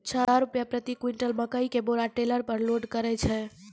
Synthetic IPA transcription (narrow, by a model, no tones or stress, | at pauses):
t͡ʃʰəaɾupjapɾət̪ikwiɳʈəlməkəikeboɾaʈeləɾpəɾloɖkəɾɛt͡ʃʰɛ